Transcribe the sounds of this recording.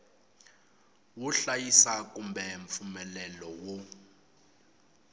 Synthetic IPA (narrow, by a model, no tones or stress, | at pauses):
wuɬajisakumbʱɛɱp̪fumɛlɛlɔwo